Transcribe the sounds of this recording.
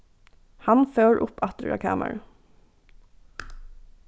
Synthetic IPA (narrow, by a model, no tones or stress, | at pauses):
hɑnføːɹʔʊpɑt̪ɹɑ̰kʰæ̰ːmə̰ɹ